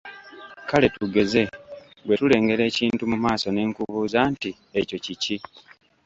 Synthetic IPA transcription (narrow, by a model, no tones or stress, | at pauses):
kale̞tuɡe̞ze̞ | we̞tule̞ːŋɡe̞ɾe̞ːciːntumumaːso̞ne̞ːŋkuβuːzaːnti | eco̞cici